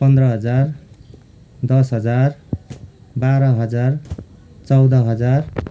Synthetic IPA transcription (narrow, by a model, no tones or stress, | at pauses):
pʌnd̪rʌɦʌd͡zar | d̪ʌsɦʌd͡zar | baɾʌɦʌd͡zar | t͡sʌwd̪ʌɦʌd͡zar